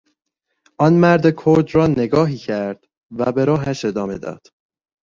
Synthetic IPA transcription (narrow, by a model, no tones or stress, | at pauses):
ʔɒːnmæɾd̪ekʰoɾd̪rɒːne̞ɡɒːɦiːcʰæɾd̪̥ | væbe̞ɾɒːɦæʃe̞d̪ɒːme̞̰d̪ɒ̰ːd̪̥